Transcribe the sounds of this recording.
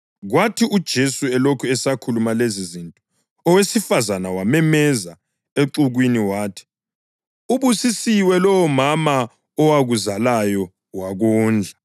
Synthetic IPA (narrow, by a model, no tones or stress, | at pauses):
ɣwatʰiud̥ʒ̥ʱesuɛlokʰuɛsakʰulumalezizintʼɔ̥ | ɔwesifazanawamɛmɛza | eǁuɣwiniwaːtʰi̥ | uβusisiwɛlɔwɔmama | ɔwaɣuzalajɔ | waɣuːnd͡ɮʱa